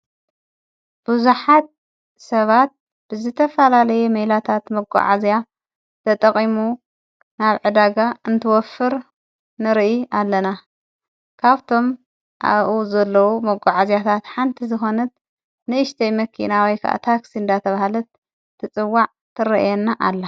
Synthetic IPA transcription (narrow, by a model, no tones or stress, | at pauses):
b̥uzuħat̪̚ | sɐβat̪̚ | b̥ɨzɨt̪ʰɐfɐlalɐjɛmɐjlat̪ʰat̪mɐɡʷa̰ʕazja | t̪ʰɐt̪ʼɐχʼimu | naβʕɨd̪aɡaɨnt̪ʰɨwɔfɨɾ | nɨɾʔialːɐna | kʰaβt̪ʰo̞m | ʔa̰βʔuzɐlːɐwumɐɡʷaʕazjat̪ʰat̪ħant̪ʰizɨxo̞nɐt̪̚ | nɨɨʃt̪ʰɐjmɐkʰḭnawɔjkʰɐ̰ʔa̰t̪ʰaksind̪at̪ʰɐβahlɐt̪̚ | t̪ʰːɨt͡sʼɨwːaʕ | t̪ʰɨɾɐʔjɛnːaʔalːa